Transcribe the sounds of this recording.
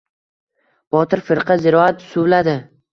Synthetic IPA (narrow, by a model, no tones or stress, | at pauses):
b̥ɒt̪ʰɪɾfɪɾqʰɑzɪɾɒat̪̚sʊvlad̪ɪ